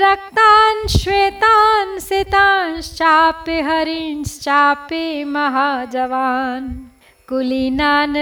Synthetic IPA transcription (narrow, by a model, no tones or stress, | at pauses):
ɾɐk̚t̪aːnʃweːt̪aːnsit̪aːnst͡ʃaːpeɦɐɾinst͡ʃaːpemɐɦaːd͡ʒɐʋaːn | kulinaːn